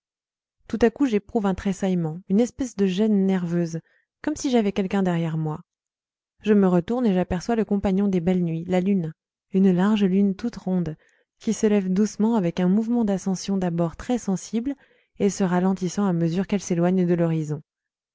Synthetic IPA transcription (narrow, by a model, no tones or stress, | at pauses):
t̪ut̪akuʒepχuvɛ̃t̪χesajmɑ̃ynɛspɛsd̪əʒɛnːɛʁvøːz | kɔmsiʒavɛkɛlkʲɛ̃d̪ɛʁjɛʁmwa | ʒəməʁət̪uʁneʒapɛʁswaləkɔ̃paɲjɔ̃d̪ebɛlnɥilalyn | ynlaʁʒlynt̪ut̪ʁɔ̃d̪ | kʲisəlɛvd̪usmɑ̃avɛkɛ̃muvmɑ̃d̪asɑ̃sjɔ̃d̪abɔʁt̪χɛsɑ̃sibl | esəʁalɑ̃t̪isɑ̃aməzyʁkɛlselwaɲd̪əlɔʁizɔ̃